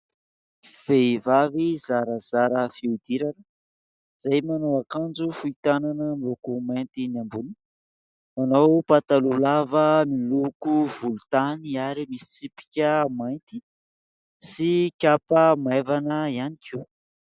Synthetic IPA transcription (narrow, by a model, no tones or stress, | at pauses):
v̥eivavizaɾəzaɾəfiud̪iɾanə | z̥ajmanoakand͡ʒufuit̪ananəmilokument̪inambuni | anawpat̪alulavəmilukuvulut̪aniaɾimisi̥t͡sipi̥kʲəmajnt̪i̥ | sikʲapəmavanəianikiw